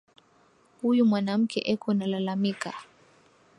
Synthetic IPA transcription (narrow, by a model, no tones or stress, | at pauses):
hujumwanam̩kʰɛ̰ʔɛkɔnalalamika̰